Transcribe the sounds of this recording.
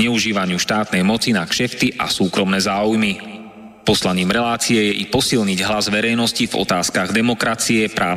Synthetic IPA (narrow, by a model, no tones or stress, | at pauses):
ɲɛuʒiːʋaɲɪuʃt̪aːt̪nɛjmɔt͡sinakʃɛft̪iʔa̰suːkɾɔmnɛːzaːujmi | pɔslaɲiːmɾɛlaːt͡siɛjɛʔipɔsilɲiɟɦlazʋɛɾɛjnɔscivɔ̰t̪aːskaɣd̪ɛmɔkɾat͡siɛpɾaː